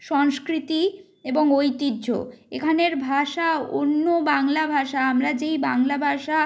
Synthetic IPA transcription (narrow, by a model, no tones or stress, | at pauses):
ʃɔŋskɾit̪i | eboŋojt̪idːd͡ʑʱo̰ekʰaneɾbʱaʃao̰nːobaŋlabʱaʃaamɾad͡ʑejbaŋlabʱaʃa